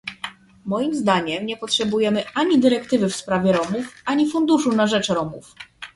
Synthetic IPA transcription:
mɔjimzd̪aɲɛmɲɛpɔtʂɛbujɛmɘʔaɲid̪ɘɾɛkt̪ɘvɘfspɾavʲjɛɾɔmufaɲifund̪uʂunaʐɛt͡ʂɾɔmṵf

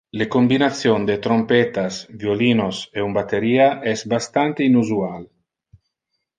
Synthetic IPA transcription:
lekombinat̪sjond̪et̪ɾompet̪asvjoliːnoseumbat̪eɾiːaʔɛsbast̪ant̪einuzual

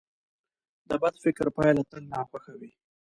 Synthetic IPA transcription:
d̪əbad̪fɪkɾpɑjalat̪əlnɑxwaxawi

